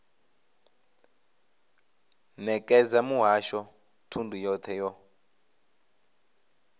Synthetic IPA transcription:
nɛkʼɛd͡zamuɦaʃɔ | tʰundʱujɔt̪ʰɛjɔ

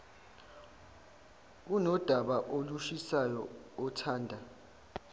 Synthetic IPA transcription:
unɔd̥ʱaɓaʔoluʃisajɔɔtʰaːndʱa

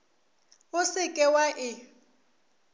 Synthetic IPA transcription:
ʊsɪkʼɛwaʔɪ

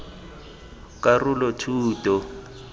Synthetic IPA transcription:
kʼarulɔtʰuːtʼɔ

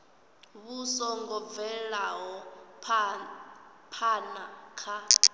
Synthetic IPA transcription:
βusɔŋɡɔvɛlaɦɔ | pʰanakʰa

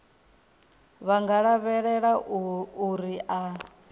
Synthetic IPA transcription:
βaŋɡaɺaβɛɺɛɺauɾiʔa

